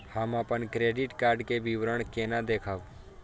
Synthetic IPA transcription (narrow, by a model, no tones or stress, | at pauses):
hamãpəɳkɾeɖɪʈkaːɾɖkeʋiʋɾəɳkenad̪ekʰaʋ